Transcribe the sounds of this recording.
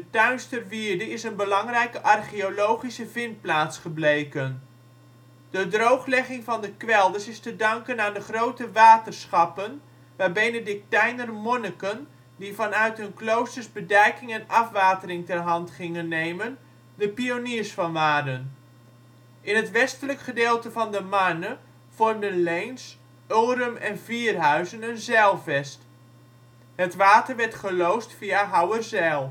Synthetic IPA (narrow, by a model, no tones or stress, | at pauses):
dətœɥnstərʋiːɹdəɪsənbəlɑŋrɛjkəʔɑrχiolowχisəvɪnt̚plaːtsχəblejkən | d̥ədrowχlɛχɪŋvɑndəkʋɛlˠdəsɪstədɑŋkənaːndəχrowtəʋaːtərsχɑpən | ʋaːɹbejnədɪk̚tɛjnərmɔnəkən | divɑnœɥtɦɵnklowstərzbədɛjkɪŋɛnɑfʋaːtərɪŋtɛrɦɑntχɪŋənːejmən | dəpioniːərsfɑnʋaːdən | ʔɪnɦətʋɛstələkχədeːlˠtəvɑndəmanə | v̥ɔrmdənlɛjns | oɾəmɛnviərɦœɥzənənzɛlˠvɛst | hətʋaːtərʋɛɹtχəlowstfiaɦawərzɛlˠ